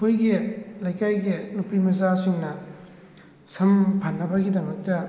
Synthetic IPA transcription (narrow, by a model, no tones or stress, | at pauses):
kʰojɡilajkajɡinupimɐzasiŋnɐ | sɐmpʰanːɐbɐɡidɐmɐk̚tɐ